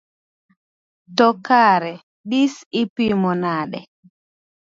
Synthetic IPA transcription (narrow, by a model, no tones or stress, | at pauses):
tɔkaɾɛ | ɗisipimɔnaɗɛ